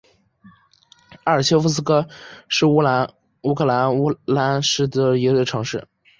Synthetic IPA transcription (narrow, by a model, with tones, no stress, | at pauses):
a˞˥˩ɕʰjo˥fu˥˧s̬ɹ̩˥kɤ˥ʂɻ̩˥˩u˧˥l | u˧˥kʰɤ˥˩la˧˥n˥la˧˥nʂɻ̩˥˩d̪ə˩i˧˥˩ʈ͡ʂʰɤ˧˥ŋʂɻ̩˥˩